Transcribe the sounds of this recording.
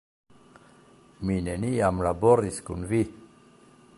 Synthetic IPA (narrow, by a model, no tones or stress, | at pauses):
mineniamlabɔɾiskunvi